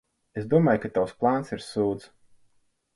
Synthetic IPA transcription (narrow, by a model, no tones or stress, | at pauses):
esd̪uɔmaːjkat̪awsplˠaːnsiɾsuːt̪s